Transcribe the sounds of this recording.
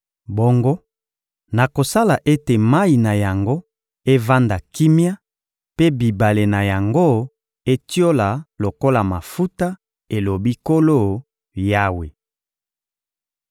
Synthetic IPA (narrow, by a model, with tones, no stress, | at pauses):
bo˦ŋɡo˦ | na˨ko˨sa˦la˨ʔe˦te˨ma˦i˨na˨ja˨ŋɡo˦ | e˦va˦nda˨ki˦mja˦ | pe˦bi˨ba˨le˨na˨ja˨ŋɡo˦˨ | e˦tjo˦la˨lo˨ko˦la˨ma˨fu˦ta˦ | e˨lo˨bi˦ko˦lo˦˨ | ja˦we˨